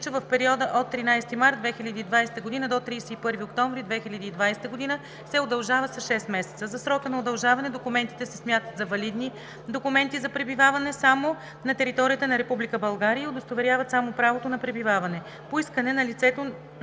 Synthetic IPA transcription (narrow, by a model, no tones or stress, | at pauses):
t͡ʃɛvɐfpɛɾiɔd̪əʔot̪ːɾinajst̪imaɾd̪̚d̪vɛxilʲəd̪iːd̪vajsɛ̥t̪əɡod̪inəd̪ot̪ɾijsɛipɤɾviokt̪ɔɱvɾid̪vɛxilʲəd̪iːd̪vajst̪əɡod̪inə | sɛod̪ɐlˠʒavəsɐʃɛst̪mɛsɛt̪səzɐsɾɔkənɐod̪ɐlˠʒavɐnɛd̪okumɛnt̪i̥t̪ɛsɛsmjat̪ət̪zɐvɐlid̪ni | d̪okumɛnt̪izɐpɾɛbivavɐnɛsamo | nɐt̪ɛɾit̪ɔɾijət̪ənɐɾɛpublʲikəbɐlˠɡaɾijəod̪ost̪ovɛɾʲjavɐt̪samopɾavot̪onɐpɾɛbivavɐnɛ | poiskənɛnɐlit̪sɛt̪o